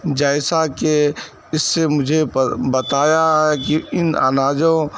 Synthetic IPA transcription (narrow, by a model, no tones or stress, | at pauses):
d͡ʒaːɪsake | ɪsːemʊd͡ʒʱebɐt̪aːjaɦɛkiɪna̰naːd͡ʒõ